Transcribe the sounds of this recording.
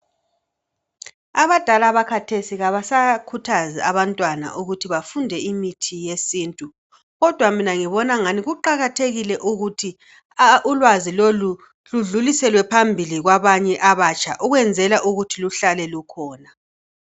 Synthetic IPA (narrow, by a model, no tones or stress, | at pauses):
aβad̥ʱalaβakʰatʰesiɣaβasakʰutʰaziaβantʼwana̰ʔuɣutʰiβafundʱɛimitʰijesiːntʼu | ɣɔd̥ʱwaminaŋiβɔnaŋaniɣuǃaɣatʰeɣilɛʔuɣutʰi | ulwazilolu | luɮulisɛlwɛpʰambʱiliɣwaβaɲɛʔaβat͡ʃʰʼaʔuɣwɛnd͡zʱɛlaʔuɣutʰiluɬalɛlukʰɔːna